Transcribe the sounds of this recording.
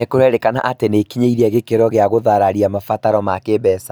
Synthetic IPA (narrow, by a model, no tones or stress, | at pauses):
ekoɾɛɾekana̰ʔatenekiɲeiɾiɛɣekeɾɔɣeaɣoðaɾaɾiamafataɾɔmakebɛsa